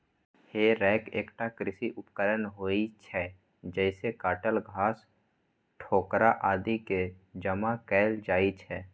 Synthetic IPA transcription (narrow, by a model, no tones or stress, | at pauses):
heːɾɛːkeːkʈakɾɪsiʔʊpkəɾənɦoːit͡ʃʰɛ | d͡ʒɛːsekaːʈəlɡʱaːs | ʈʰoːkɾaʔaːd̪iked͡ʒəmakɛːld͡ʒaːit͡ʃʰɛː